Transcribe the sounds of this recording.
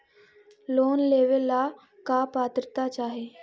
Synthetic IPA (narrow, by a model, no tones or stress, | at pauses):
loːnleʋelːa | kapat̪ɾət̪at͡ʃaːɦe